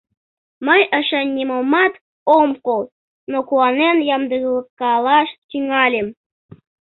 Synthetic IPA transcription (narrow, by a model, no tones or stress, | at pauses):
məjə̆ʃenʲːimomɑt̪ | omkol | nokuɑnenjɑmd̪ɯɣlˠəkːɑlɑʃt̪ʲyŋɑlʲem